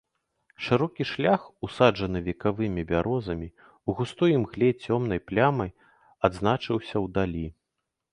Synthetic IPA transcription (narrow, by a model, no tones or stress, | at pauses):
ʂɨɾɔkʲiʂlʲaxusad͡ʐɐnɨvʲɛkavɨmʲibʲaɾɔzɐmʲi | uɣust̪ɔjimɣlʲɛt͡sʲɔmn̪ɐjplʲamɐj | ad̪znat͡ʂɨwsʲɐwd̪alʲi